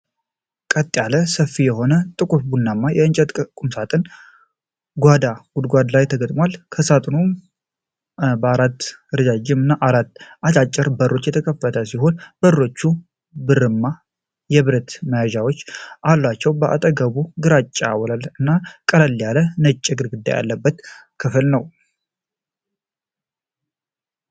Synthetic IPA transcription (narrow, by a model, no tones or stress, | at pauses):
kʼət̪ʼːjaləsəfːijɛho̞nət̪ʼɨkʼufbunːamːajɛɨnt͡ʃʼət̪ʼkʼumsat̪ʼɨn | ɡʷad̪aɡud̪ɡʷad̪lajt̪ʰəɡət̪ʼmwalkʰəsat̪ʼnu | bəaɾat̪ːɨɾɨd͡ʒad͡ʒɪmɨnːaʔaɾat̪ːat͡ʃʼat͡ʃʼːɛɾbəro̞t͡ʃːjɛt̪ʰəkʰəfːət̪ʰəsiɦo̞nbəːo̞t͡ʃːu | bɨrɨmːa | jɛβɨɾət̪məjaʒawot͡ʃːʔalːat͡ʃːɛwbəʔa̰t̪ʼəɡəβuɡɨɾat͡ʃʼːawɔlalɨnːakʼələlːjalənət͡ʃʼːɛɡɨɾɡɨd̪ːa̰ja̰lːəbːət̪kʰɨfɨlnəw